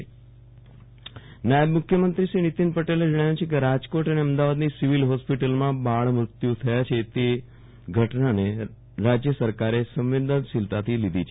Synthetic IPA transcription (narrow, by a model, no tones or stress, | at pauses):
najəbmʊkʰjəmənt̪ɾiʃɾinit̪inpəʈeled͡ʒəɽ̃ajũt͡ʃʰek̬eɾad͡ʒkoʈəneəmd̪aʋad̪nisiʋilɦɔspiʈəlmãbaɭmɾʊt̪jut̪ʰəjat͡ʃʰet̪e | ɡʱəʈnane | ɾad͡ʒjəsəɾkaɾesə̃mʋed̪ənsilt̪at̪ʰilid̪ʱit͡ʃʰe